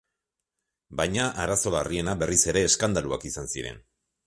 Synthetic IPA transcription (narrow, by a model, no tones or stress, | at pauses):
bajɲaʔaɾaso̞larie̞nabe̞rise̞ɾe̞ːskand̪alua̰kisansiɾe̞̰n